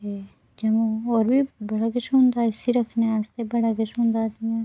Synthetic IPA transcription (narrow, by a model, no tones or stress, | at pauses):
e | d͡ʒɐmoɔːɾbʱibɐɽakɪt͡ʃʰũnd̪aɪsiɾɐkʰneaːst̪ebɐɽakɪt͡ʃʰɦũnd̪aːt̪iɛ̃ː